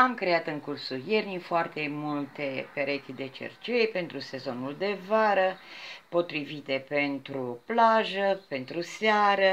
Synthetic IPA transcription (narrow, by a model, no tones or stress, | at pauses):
amkɾe̞at̪ɨŋkursuje̞rnifoart̪e̞mult̪e̞peɾe̞t̪id̪e̞t͡ʃḛrt͡ʃejpent̪ɾuse̞zo̞nuld̪e̞vaɾəpo̞t̪ɾivit̪e̞pe̞nt̪ɾuplaʒəpe̞nt̪ɾuseaɾə